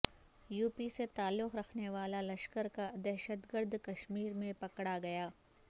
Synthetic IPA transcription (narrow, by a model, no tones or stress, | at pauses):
juːpiset̪aːlːʊxɾɐkʰneʋaːlalɐʃkəɾkad̪ɛɦʃət̪ɡəɾd̪ʱkɐʃmiːɾmẽpɐkɽaɡɐjaː